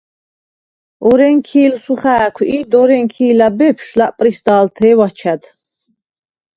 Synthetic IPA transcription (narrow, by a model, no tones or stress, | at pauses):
ɔɾɛŋkʰiːlsuχæːkʰiːd̪ɔɾɛŋkʰiːlabɛpʰʃlaʔpʼɾisd̪aːlt̪ʰɛːwat͡ʃʰad̪